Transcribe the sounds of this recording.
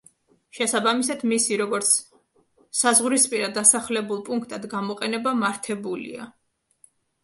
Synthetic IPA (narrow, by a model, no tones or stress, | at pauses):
ʃɛsabamisad̪misiɾɔɡɔɾt̪sʰ | sazʁɾispʼiɾad̪asaχlɛbulˠpʼuŋkʰt̪ʼad̪ɡamɔqʼɛnɛbamaɾt̪ʰɛbulḭa̰